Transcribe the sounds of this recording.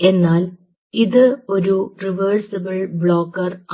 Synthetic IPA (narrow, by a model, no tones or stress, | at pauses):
e̞nːaːl | iðɨo̞ɾuriʋɐːrsɐbɐɭbɭo̞ːkːɐr